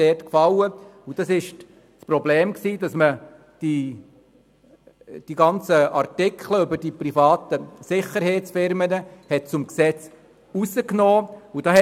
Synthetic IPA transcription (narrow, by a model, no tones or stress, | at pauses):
ɛːtkfɑwəud̥ɑsɪʃ | t͡spɾɔbleːmksiːd̥ɑsmə | d̥i | d̥iɡɑnt͡səɑɾtɪkʰχləʏbəɾdipɾifɑːt̪əsɪχəɾheːtt͡sfɪɾmənəhɛt̚t͡sʊmksɛt͡s | usəknoːud̥ɑɛ